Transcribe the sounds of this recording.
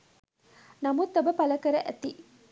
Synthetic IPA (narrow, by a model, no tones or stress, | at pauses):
nɐmut̪ːɐbɐpɐlɐkɐɾɐʔæt̪i